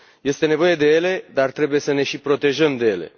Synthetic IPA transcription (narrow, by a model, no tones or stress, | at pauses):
je̞st̪e̞nevo̞je̞d̪e̞je̞le̞d̪art̪ɾe̞buje̞səne̞ʃipɾo̞t̪e̞ʒəmd̪e̞je̞lḛ